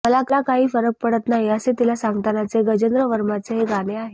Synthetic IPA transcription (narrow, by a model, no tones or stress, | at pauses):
məlaklakaɦiːfəɾək̚pəɽət̪naɦiəset̪ilasaŋɡt̪anat͡seɡəd͡ʑənd̪ɾəʋəɾmat͡seɦeɡaɽ̃eaɦe